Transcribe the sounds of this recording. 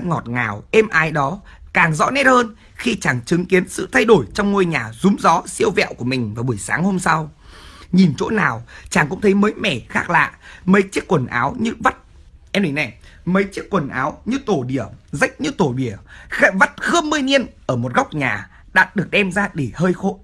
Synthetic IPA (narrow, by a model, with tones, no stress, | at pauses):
ŋɔ˨˩t̚ŋaː˨˩wʔɛ˧mʔaː˨˦jɗɔ˨˦ | kaː˨˩ŋzɔ̰˧˥nɛ˦˥t̚həː˧n | xi˧t͡ɕaː˧˩ŋt͡ɕɨ˨˦ŋki˨˦ənsɨ̰˧˨t̪ʰa˧jɗo˧˩jt͡ɕɔ˧wŋ͡mŋo˧jɲaː˨˩zʊ˨˦ŋ͡mzɔ˨˦si˧əwvɛ̰˧˨wku˧˩əmï˨˩ŋ̟vaː˨˩ɓu˧˩əjsaː˨˦ŋho˧msa˧w | ɲi˨˩nt͡ɕo̰˧˥naː˨˩wt͡ɕaː˧˩ŋkʊ̰˧˥ŋ͡mtʰə˨˦jməː˨˦jmɛ˧˩xaː˦˥k̚la̰ː˧˨mə˨˦jt͡ɕi˦˥əkːwə˨˩nʔaː˨˦wɲɨ˧və˦˥t̚ | ʔɛ˧mɗi˨˧˩na˨˩j | mə˨˦jt͡ɕi˦˥ək̚kːwə˨˩nʔa̰ː˨˦wɲɨ˧t̪o˨˩ɗi˧˩əzə˦˥jk̟̚ɲɨ˧˥t̪o˧˩ɓi˧˩əxa˧˥və˦˥t̚xɨː˧əmːɨ˧əjni˧ənʔəː˧˩mo˨˩t̚ɣa˦˥wk͡p̚ɲaː˨˩ | ɗa̰ː˧˥ɗɨ˨˩ək̚ɗɛ˧mzaː˧ɗi˧˩həː˧jxo̰˧˨